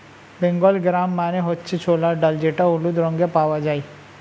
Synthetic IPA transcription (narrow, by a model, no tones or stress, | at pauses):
beŋɡɔlɡɾamːaneɦɔtːt͡ʃʰit͡ʃʰolaɖəld͡ʒeʈaulud̪ɾɔŋɡepaʋad͡ʒai